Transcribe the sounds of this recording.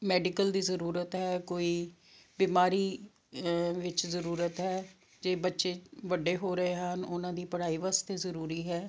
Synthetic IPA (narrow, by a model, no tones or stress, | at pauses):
mɛːɖɪkəld̪iːzəɾuːɾət̪ɦɛːkoːiː | biːmaːɾiː | ʋɪt͡ʃzəɾuːɾət̪ɦɛː | d͡ʒeːbətːʃeːʋəɖeːɦoːɾəɦeːɦənʊnãːd̪iːpəɽ̤aːiːʋaːst̪eːzəɾuːɾiːɦɛː